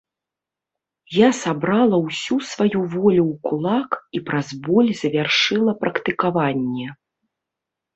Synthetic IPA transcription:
jasabɾalˠɐwsʲusvajuvɔlʲuwkulˠakipɾazbɔlʲzɐvʲarʂɨlˠɐpɾɐkt̪ɨkavanʲːɛ

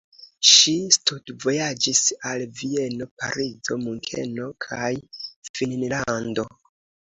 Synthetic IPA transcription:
ʃistudvo̞jad͡ʒisalvie̞no̞pa̰ɾid͡zo̞muŋkʰe̞̰no̞kʰajfinnlando̞

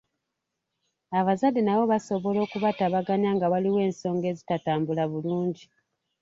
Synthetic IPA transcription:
aβazadːenaβo̞βaso̞βo̞lo̞ːkuβataβaɡaɲaːŋɡawaliwe̞ːnso̞ːŋɡe̞ːzitataːmbulaβuluːɲɟi

